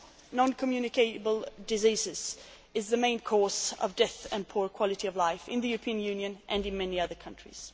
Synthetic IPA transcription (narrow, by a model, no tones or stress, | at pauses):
nɑ̃nkʰəmjʉnɨkʰeɪɾɨbəl̩ˠdɨzizɪz̥ | ɨzðɨmẽɪ̃nkʰɔɹzʌ̰vdɛθɨ̃npʰuɹkʰw̥ɑlˠɨɾiʌvlaɪfɪ̃nðɨjʉɹəpʰĩɨ̃njʉ̃njɨ̃nʔɨ̃nɨ̃nmɛniʌðə˞kʰʌ̃nt͡ʃɹ̥ḭz̥